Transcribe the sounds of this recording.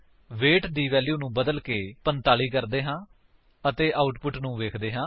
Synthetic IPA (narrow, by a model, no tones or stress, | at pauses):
ʋeːʈd̪iːʋɛːljuːnũːbəd̪əlkeːpənt̪aːliːkəɾd̪eːɦãː | ət̪eːʔaːʊʈpʊʈnũːʋeːkʰd̪eːɦãː